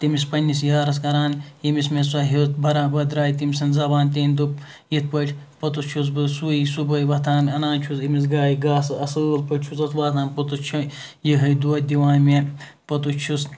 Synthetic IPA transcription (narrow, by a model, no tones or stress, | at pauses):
t̪imispɐnʲːisjaːɾɐs̬kɐɾaːnjimismesɐɦit̪bʱɐɾaːnbɐd̪ɾaːjit̪imisɐnzɐbaːnt̪eːnʲd̪up | jit̪̚pɐʈʲʰ | pɐt̪ut͡ʃʰus̬bɨsuːisubɐjʋɐt̪ʰaːnɐnaːnt͡ʃʰusimisɡaːiɡaːsɨɐsɨlpɐʈʲt͡ʃʰusɐt̪ʋaːt̪ʰaːnpɐt̪ut͡ʃʰu | jiɦɐjd̪uɐt̪̚d̪iʋaːnme | pɐt̪ut͡ʃʰus